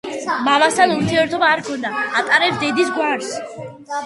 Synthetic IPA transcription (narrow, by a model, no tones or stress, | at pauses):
mamast̪ʰanuɾt̪ʰiɛɾt̪ʰɔbaːɾkʰɔnd̪aːt̪ʼaɾɛpsd̪ɛd̪isɡwaɾs